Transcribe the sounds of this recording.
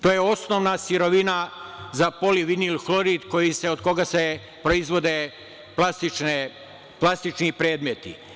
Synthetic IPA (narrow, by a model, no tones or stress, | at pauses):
t̪oːjeo̞snoʋnasiɾo̞ʋinazapo̞liʋinilxlo̞ɾid̪ko̞jise̞od̪ko̞ɡase̞ | pɾo̞izʋo̞d̪e | plast̪it͡ʃne | plˠast̪it͡ʃnipɾe̞ːd̪met̪ḭ